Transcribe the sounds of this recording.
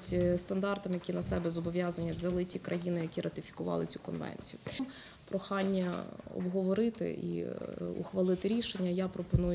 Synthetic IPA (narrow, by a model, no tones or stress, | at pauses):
tʲst̪ɐnd̪ɑrt̪ɐmjɐkʲinɐsɛbɛzɔbɔʋʲjazɐnʲːɐʋzʲɐlˠɪtʲikɾʔɐjinɪjɐkʲiɾʔɐt̪ɪfʲi̥kʊʋɑ̰lˠɪt͡sʲu̥kɔnʋɛ̰nʲt͡sʲijʊm | pɾɔxɑnʲːɐɔ̰bɦɔʋɔɾɪt̪ɪ̰ḭṵxʋɐlˠɪt̪ɪɾʲiʃenʲːɐjapɾɔpɔnujʊ